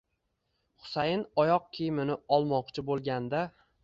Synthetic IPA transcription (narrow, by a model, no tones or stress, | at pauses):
χʊ̥sajɪnɒjɒq̚kʲʰijmɪnɪɒlˠmɒqt͡ʃʰɪbolˠɡʲand̪a